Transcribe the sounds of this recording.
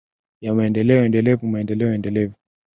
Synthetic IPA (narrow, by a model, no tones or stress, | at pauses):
jamaɛndɛlɛɔɛndɛlɛvumaɛndɛlɛɔɛndɛlɛvu